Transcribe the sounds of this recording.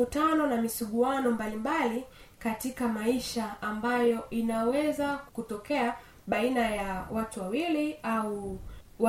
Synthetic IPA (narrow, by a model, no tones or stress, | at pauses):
utanɔnamisuɠuanɔmbalimbalikatikamaiʃaːmbajɔʔinawɛzakutɔkɛa | ɓainajawatuwawiliauw